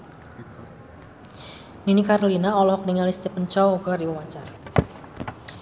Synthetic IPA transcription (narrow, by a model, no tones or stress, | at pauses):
ninikaɾolinaɔlɔhɔk̚niŋalist̪epəɲt͡ʃɔwɡardiwəwat͡ʃar